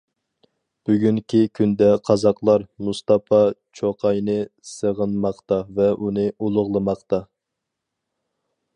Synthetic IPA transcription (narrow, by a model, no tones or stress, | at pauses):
b̥yɡʲyŋkʲʰikʲʰynd̪ɛqʰɑzɑqlˠɑɾmust̪ɑpʰɑt͡ʃʰoqʰɑjnɨsəʁənmɑqt̪ɑvɛʔunɨʔulˠʊʁlˠɨmɑqt̪ɑ